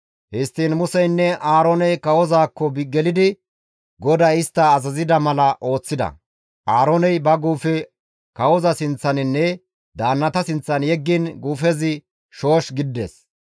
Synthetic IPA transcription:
hɪst̪ːiːnmʊsɛjnːɛʔaːɾonɛjkɐwɔzaːkːɔbɡɛlɪd̪ɪ | ɡɔd̪ɐɪst̪ːɐːzɐzɪd̪ɐmɐlɐʔo̞ːt͡sːɪd̪ɐ̰ | ʔaːɾoːnɛjbɐɡuːfɛ | kɐwɔzɐsɪnt͡sːɐnɪnːɛ | d̪aːnːɐt̪ɐsɪnt͡sːɐnjɛɡːinɡuːfɛzɪ | ʃo̞ːʃɡɪd̪ːɛ̰s

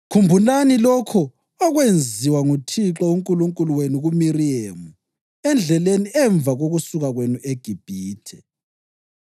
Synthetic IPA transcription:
kʰumbʱulanilɔkʰɔ | ɔɣwend͡zʱiwaŋutʰiǁauŋkʼuluŋkʼuluweniɣumiriemu | ɛnd͡ɮʱɛleniʔɛɱb̪vʱaɣoɣusuɣaɣwenuʔeɡ̥ʱib̥ʱiːtʰɛ

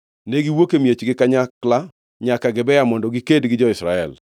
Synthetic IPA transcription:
neɡiwokemjet͡ʃɡɪkaɲakla | ɲakaɡɪbɛjamɔndɔɡikedɡɪd͡ʒɔɪsɾaɛ̰l

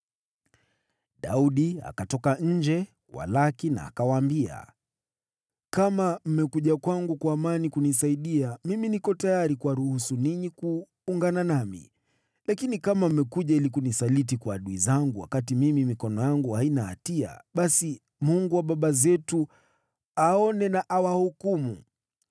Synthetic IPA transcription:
ɗa̰uɗia̰katɔkaɲ̩d͡ʒɛ | wa̰lakina̰ːkawaːmbia̰ | kamam̩mɛkuʄakwaŋɡukwaːmanikunis̬aiɗiamiminikɔtajaɾikuwaɾuhusuniɲikuː | ŋɡananamḭ | lakinikamam̩mɛkuʄailikunisalit̬ikwaːɗuizaŋɡuwa̰katimimimikɔnɔjaŋɡuhainaha̰tia̰ɓasi | muŋɡuwaɓaɓazɛtu | aɔnɛnaʔawahukumṵ

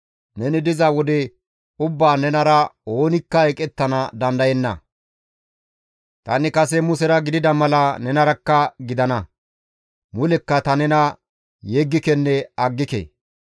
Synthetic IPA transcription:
nɛnɪd̪ɪzɐwɔd̪ɛ | ʊbːaːnɛnɐɾɐo̞ːnɪkːɐɛkʼɛt̪ːɐnɐd̪ɐnd̪ɐjɛnːɐ̰ | t̪ɐ̰nɪkɐsɛmʊsɛɾɐɡɪd̪ɪd̪ɐmɐlɐnɛnɐɾɐkːɐɡɪd̪ɐnɐ | mʊlɛkːɐt̪ɐnɛnɐ | jɛɡːɪkɛnːɛɐɡːɪkḛː

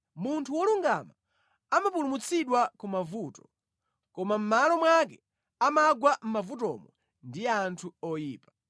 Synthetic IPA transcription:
muntʰuwɔluŋɡa̰ma | amapulumut͡sʰiɗwakumavuːtɔ̥ | kɔmam̩malɔmwak̬ɛ | amaɡwam̩mavutɔ̰mɔ | ndijantʰuɔjiːpḁ

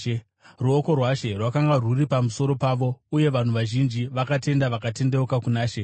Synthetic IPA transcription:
ruoko̞rwaʃe̞rwakaŋɡaruripamuso̞ɾo̞paːʋo̞uje̞ʋan̤uʋaʒind͡ʒiʋakate̞ndaʋakate̞ndeukakunaːʃe

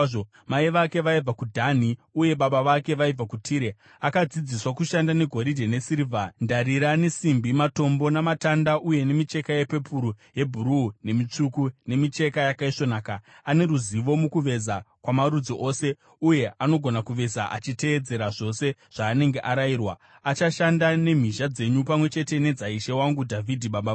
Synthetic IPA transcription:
o | maiʋake̞ʋaib͡vakudʱaniuje̞ɓaɓaʋake̞ʋaib͡vakutʰiːɾe | akad͡zid͡ziswakuʃandane̞ɡʱo̞ɾidʱene̞siɾivʱandaɾiɾane̞simbimato̞mbo̞namatandaʔuje̞ne̞mit͡ʃe̞kaje̞pe̞pʰuɾuje̞bʱuɾune̞mit͡ʂukune̞mit͡ʃe̞kajakaiʂo̞naːkaane̞ɾuziʋo̞mukuʋe̞zakwamaɾud͡zoʔo̞se̞ | uje̞ʔano̞ɡʱo̞nakuʋe̞zaʔa̰t͡ʃite̞ːd͡ze̞ɾaʐo̞se̞ʐ̥aːne̞ŋɡe̞ʔaɾairwa̰ | at͡ʃaʃandane̞m̤iʃad͡ze̞ɲupamwe̞t͡ʃe̞te̞ne̞d͡zaiʃe̞waŋɡudʱavʱidʱiɓaɓa

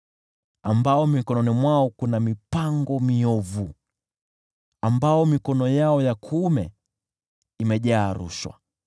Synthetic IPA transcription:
ambaɔmikɔnɔnimwaɔkunamipaŋɡɔmiɔvu | ambaɔmikɔnɔjaɔjakʰumɛ̰ | imɛʄaːɾṵʃwa̰

